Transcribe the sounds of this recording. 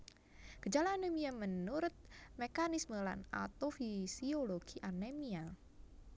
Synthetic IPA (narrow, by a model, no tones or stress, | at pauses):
ɡ̥əd͡ʒalaːnemiamənuɾʊt̪̚mekanisməla̰na̰t̪ofisioloɡ̥iʔanemia